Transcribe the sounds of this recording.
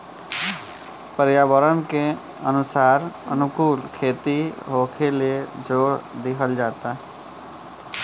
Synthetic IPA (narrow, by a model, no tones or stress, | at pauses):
pəɾjaːʋəɾənke | ənʊsaːɾə̰nʊkuːlkʰeːt̪iɦoːkʰeled͡ʒoːɽd̪ɪkʰəld͡ʒaːt̪a